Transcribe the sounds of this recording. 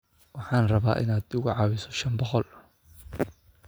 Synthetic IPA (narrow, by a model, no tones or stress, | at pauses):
wɑħɑːnrɐβaːʔɪ̰naːd̪ʊɣʊʕɑːwɪsɔ̥ʃɐnbɔqɔl